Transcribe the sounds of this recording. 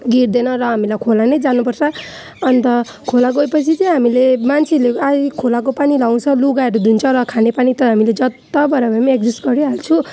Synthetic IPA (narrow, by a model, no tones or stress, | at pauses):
ɡiɾd̪enʌɾʌɦamilajkʰolanʌjd͡zanupʌrt͡sʰʌ | ʌnt̪ʌ | kʰolaɡoepʌt͡sʰit͡sʌjɦamilemant͡sʰileajkʰolak̬opanilaw̃t͡sʰʌluɡaeɾud̪ʱunt͡sʰʌɾʌkʰanepanit̪ʌɦamiled͡zʌt̪ːabʌɾabamiek̚d͡zisʈɡʌɾiɦalt͡sʰũ